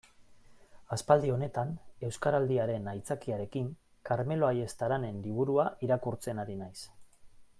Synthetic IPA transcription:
aspald̪io̞ne̞t̪ane̞wskaɾald̪iaɾe̞najt͡sakiaɾe̞kiŋ | kaɾme̞lo̞aje̞st̪aɾane̞nliβ̞uɾuaʔiɾakuɾt͡se̞naɾinajs

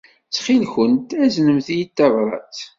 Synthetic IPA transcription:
t͡sːχilçənt̪æznəmθijit̪ːævɾˤɑ̰t͡s

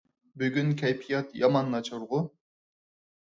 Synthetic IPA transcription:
byɡʲynkʲʰɛjpʰijɑt̪jɑmɑnːɑt͡ʃɑɾʁʊ

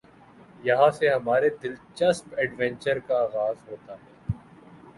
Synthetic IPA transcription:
jɐɦãseɦɐmaːɾed̪ɪlt͡ʃɐspɛɖʋɛ̃nt͡ʃəɾkaaːɣaːzɦoːt̪aɦɛː

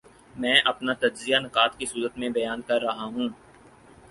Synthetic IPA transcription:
mɛ̃ːʔɐpnat̪ɐd͡ʒzijanɪqaːt̪kisuːɾət̪mẽbɐjaːnkɐɾːɐɦaɦũː

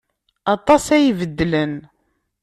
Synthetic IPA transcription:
ɑt̪ˤɑsæjvəd̪ːlən

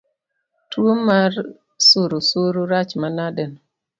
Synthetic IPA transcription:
tuomaɾ | suɾusuɾuɾat͡ʃmanaden

